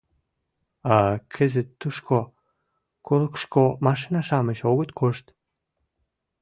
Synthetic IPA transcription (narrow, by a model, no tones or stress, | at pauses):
ɑkʰə̆zət̪ːuʃkʰo | kʰoləkʃkomɑʃinɑʃɑməʃoɣət̪kʰoʃt̪